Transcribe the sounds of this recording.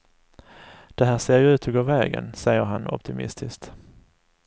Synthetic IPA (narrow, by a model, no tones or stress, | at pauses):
d̪̥ɛɦæːʂeːɾjɵʉ̟ːt̪ʰɔɡoːvɛːɡə̰nsɛjːəɾɦanɔ̰p̚t̪ʰɪmɪ̰st̪ʰɪskt̪